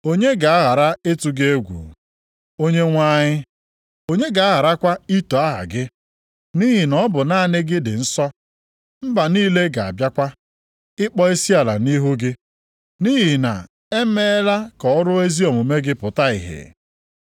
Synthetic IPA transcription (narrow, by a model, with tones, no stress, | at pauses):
o˦ɲe˦ɡa˨a˦ɣa˨ɾa˦e˦tu˨ɡe˦ɡʷṵ˨ | o˦ɲe˦ŋʷa˦ɲɪ˦ | o˦ɲe˦ɡa˨a˦ɣa˨ɾa˦kʷa˦i˦to˨a˦ɦa̰˨ɡɪ˦ | ni˦ɦi˨nɔ˦bʊ˨na˦˨nɪ˦ɡɪ˦dɪ̰˨n̩˦sɔ˦ | m̩˦ba˨niː˦le˦ɡa˨a̰˨bja˦kʷa˦ | ɪ˦k͡pɔ˦e˦si˦a˨la̰˨ni˦ɦu˦ɡɪ˦ | ni˦ɦi˨na̰˨ | e˦me˦la˦kɔ˨ɔ˦ɾʊ˦e˦zi˦ɔ˨mʊ˨me˦ɡɪ˦pʊ˨ta˦ḭ˨ɦḛ˨